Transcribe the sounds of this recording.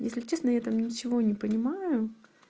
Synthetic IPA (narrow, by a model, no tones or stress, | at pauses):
jesʲlʲɪt͡ɕːesnəjat̪amnʲɪt͡ɕɪvo̞nʲɪpənʲɪmajʊ